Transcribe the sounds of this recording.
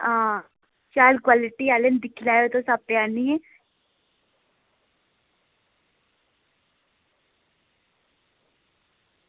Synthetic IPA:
ã | t͡ʃaːlkwaːlɪʈiaːlənd̪ɪkʰlaːjot̪õːsab̚pjaːniːɛː

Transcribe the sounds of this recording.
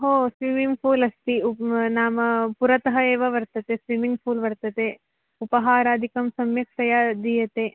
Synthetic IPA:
ɦoːsʋimiŋɡpʰuːlɐst̪iunaːmɐpuɾɐt̪ɐɦɐeːʋɐʋɐɾt̪ɐt̪esʋimiŋɡpʰuːlʋɐɾt̪ɐt̪e | upɐɦaːɾaːd̪ʱikɐmsɐmjɐkʂɐjaːd̪iːjɐt̪e

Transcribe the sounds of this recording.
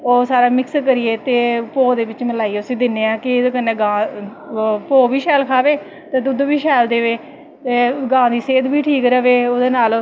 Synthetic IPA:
oːsaːɾaːmɪkskəɾiːeːt̪eːpoːd̪eːʋɪt͡ʃməlaːiːeːʊsĩːd̪ɪneːãːkɪkəneːɡãː | poːbiːʃɛːlkʰaːʋeː | t̪eːd̪ʊd̪biːʃʰɛːld̪eːʋeː | t̪eːɡãːd̪iːseːd̪biːʈʰiːkɾəʋeːoːd̪eːnaːl

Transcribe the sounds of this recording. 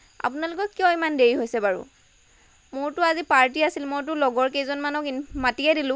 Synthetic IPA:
a̰pʊnalʊkɔkːijɔ̃imandeɹiɦojsɛbaɹṵ | mʊɹtʊazipaɹtiasilmojt̬ʊlɔɡɔɹkezɔnmanɔkimatiɛdilʊ̃

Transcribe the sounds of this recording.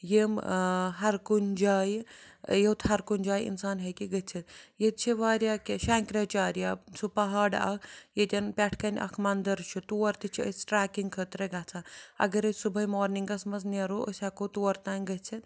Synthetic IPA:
jemɦɐɾkunʲd͡ʒaːjjet̪ɦɐɾkunʲd͡ʒaːjḭnsaːnɦɐkiɡɐtt͡sʰit̪jet̪̚t͡ʃʰiʋaːɾjaːkeʃaːŋkɾɐt͡ʃaːɾjaːsupɐɦaːɖɐ̰kʰjet̪ʲɐnpʲaʈʰkɐnʲʔɐ̰kʰmɐnd̪ɐɾt͡ʃʰut̪uːɐɾt̪it͡ʃʰiəsʈɾaːkiŋɡkʰəːt̪ɾɐɡaːt͡sʰaːɐ̰ɡɐɾɐsubʱɐjmoːɾniŋɡɐsmɐsnʲeɾoʔə̰sʲakot̪uːɐɾt̪aːnʲɡɐt͡sʰit̪

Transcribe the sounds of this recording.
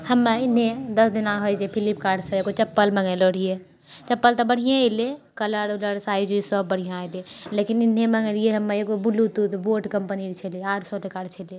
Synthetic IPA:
həmːeɪn̤ɦed̪əsd̪inãɦojd͡ʒepʰilipkaːɾɖsə̃ekot͡ʃəpːəlməŋəloɽ̤ije | t͡ʃəpːəlt̪ɔbəɽ̤ijãele | kələɾuləɾsaːid͡ʒuisəbːəɽ̤ijãlelekinɪn̤ːeməŋəlieɦəmːeekobulːut̪ut̪boːʈkəmpəniɾt͡ʃʰelieaːʈʰsɔʈekaːɾɖt͡ʃʰele

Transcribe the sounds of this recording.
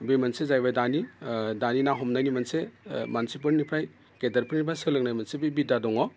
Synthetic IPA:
bimansezajbajdanidaninaɦɔmnajnimansemansip̬ɯɾnipʰaj | ɡedɐɾpɯɾnipʰajsɯlɯk̚najmansebibidadɔŋɔ

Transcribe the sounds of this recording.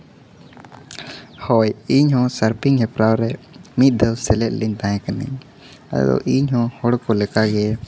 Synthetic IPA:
hɔjiɲɦɔ̃səɾpiŋɦɛpɾawɾɛ | mit̪̚ˀd̪ɔwsɛlɛʔ̪̚liɲd̪ãɛ̃kanḭɲ | a̰d̪ɔ̰ʔiɲɦɔ̃hɔɽkɔlɛkaɡɛ

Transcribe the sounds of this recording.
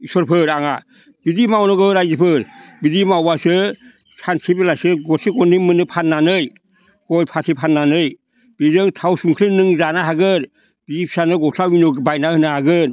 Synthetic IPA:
isɔɾpʰɯɾaŋa | bidimawnɯɡɯɾajzipʰɯɾbidimawbasɯ | sʰansʰibelasɯɡɔsʰiɡɔnimɯnɯpʰannːanɯj | ɡ̥ɔlpʰatʰipʰanːanɯj | b̥izɯŋtʰawsuŋkʰɾɯnɯŋzanaɦaɡɯɾ | b̥iipʰsanɯɡɔsʰawinɔɡbajnahɯnahaɡɯɾ

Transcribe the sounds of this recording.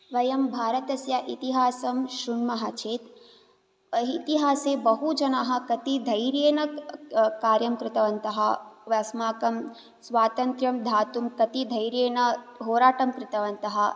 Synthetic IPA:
ʋɐjɐmbʱaːɾɐt̪ɐsjɐʔit̪iɦaːsɐmʃuɳmɐɦɐt͡ʃʰeːt̪ | ɐit̪iɦaːseːbɐɦud͡ʒɐnaːɦɐ̆kɐt̪id̪ʱɐjɾjeːnɐkaːɾjɐmkɾɪt̪ɐʋɐnt̪ɐɦɐ̆ʋɐsmaːkɐm | sʋaːt̪ɐnt̪ɾjɐmd̪ʱaːt̪umkɐt̪id̪ʱɐjɾjeːnɐɦoːɾaːʈɐmkɾɪt̪ɐʋɐnt̪ɐɦɐ̆

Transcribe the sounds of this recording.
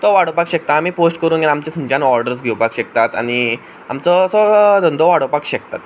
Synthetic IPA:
t̪ɔʋaɽopakɕɛk̚t̪aːmiːposʈkəɾuːnɡanamt͡ɕet̪ʰumt͡ɕãnɔɾɖəɾs̬ɡʱewpakɕɛk̚t̪at̪a̰ñi | a̰mt͡sɔsɔd̪ɔnd̪ʱɔʋaɽopakɕɛk̚t̪at̪

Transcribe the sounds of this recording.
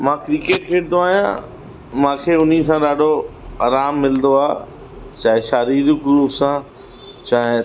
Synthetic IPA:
mãːkɾikeːʈkʰeːʈ̚d̪oaːɦjã̰ | mãːkʰeʊn̤isãɗaːɖʱoaːɾaːmːɪlnd̪oaː | t͡ɕaːɦɪ̃ʃaːɾiːɾɡɾuːpsãː | t͡ɕaːɦɪ̃

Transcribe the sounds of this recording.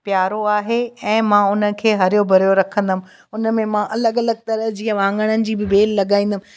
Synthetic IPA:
pjaːɾoaːɦeɛ̃ːmãːʊnə̆kʰeːɦɐɾɪjobʱɐɾijoɾɐkʰə̃nd̪əmɪ̆ | ʊnə̆mẽmãːʔɐləɠɐləɡ̚t̪ɐɾəɦd͡ʑiːə̃ʋãːŋɡəɽ̃ənɪ̆d͡ʑiːbɪbeːlːɐɠaːĩːnd̪əmɪ̃

